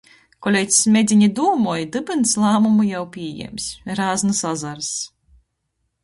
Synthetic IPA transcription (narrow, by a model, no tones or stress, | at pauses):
kɔlʲejt̪ssmʲed̪zʲiɲid̪uɔmujd̪ɨbɨnslˠaːmumujawpʲiɛjɛ̰msʲɾaːznɨsazaɾs